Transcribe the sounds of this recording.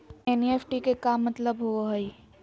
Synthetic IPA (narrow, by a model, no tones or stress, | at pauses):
eːneːfʰʈikekaːmːɐt̪ləbɦoɦəi